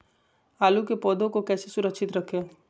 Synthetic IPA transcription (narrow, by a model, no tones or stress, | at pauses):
alukepɔd̪ʱõkokɛsesuɾəkʃʰit̪ɾəkʰe